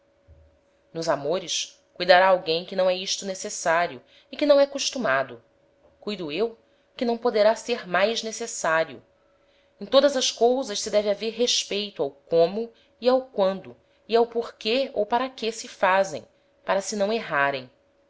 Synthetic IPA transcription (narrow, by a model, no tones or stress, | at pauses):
nʊzamoɾɪʃ | kujd̪aɾaːwɡẽj̃kɪnɐ̃w̃ɛiʃt̪ʊnesesaɾjʊ | ɪkɪnɐ̃w̃ɛkuʃt̪umad̪ʊ | kujd̪uew | kɪnɐ̃w̃pod̪eɾaseɾmajznesesaɾjʊ̰ | ẽt̪od̪ɐzɐʃkowzɐʃsɪd̪ɛvɪaveɾɦeʃpejt̪ʊawkõmʊ | iawkwɐ̃nd̪ʊ | iawpoɾkeo̰wpaɾɐkesɪfazḛ̃j̃ | paɾɐsɪnɐ̃w̃eɦaɾẽj̃